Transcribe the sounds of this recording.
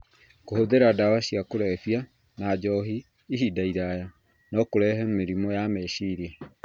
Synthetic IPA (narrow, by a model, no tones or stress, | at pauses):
kohoðeɾadawaɕiakoɾɛfia | nad͡ʒɔɦiː | ɦidaiɾaja | nɔkoɾɛɦɛmeɾimɔjamɛɕiɾiɛ